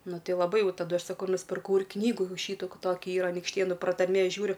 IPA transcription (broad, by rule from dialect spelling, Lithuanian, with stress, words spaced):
ˈnʊ ˈtʲɪ jɛʊ lˠɐˈbɐɪ ˈjɛʊ tɐˈdʊ ˈɐʃ ˈsɑːkʊ nʊsʲpʲɪrˈkɐʊ ɪr ˈknʲiːɡuː ˈʃʲiːtuː ˈkɐ ˈtoːkʲɛ ˈiːrɐ ɐnʲiːkʃʲˈtʲeːnʊ prɐtɐrʲˈmʲeː ˈʒʲuːrʲʊ